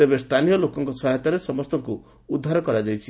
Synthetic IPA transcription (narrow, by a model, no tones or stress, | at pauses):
t̪ebest̪ʰanijɔlokɔŋkɔsɔɦɛt̪aɾesɔmɔst̪ɔŋku | ud̪ʱːaɾɔkɔɾad͡ʒajt͡ʃʰi